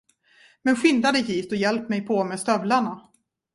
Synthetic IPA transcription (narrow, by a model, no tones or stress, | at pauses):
mɛnɧɪnd̪ad̪əjiːt̪ɔjɛlpːmɛjpʰɔmɛːst̪œvlaɳa